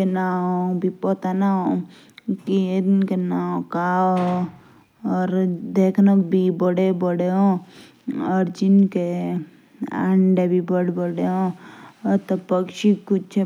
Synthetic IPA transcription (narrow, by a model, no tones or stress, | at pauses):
enaɦõbʱipɔt̪anaɦõ | kienkenaõkao | ɔːɾd̪eːkʰnobʱibəɽebəɽeɦõ | ɔːɾd͡ʒɪnke | ɐ̰ɳɖebʱibəɽbəɽeɦõ | ɾt̪opəkʃikʊt͡ʃʰe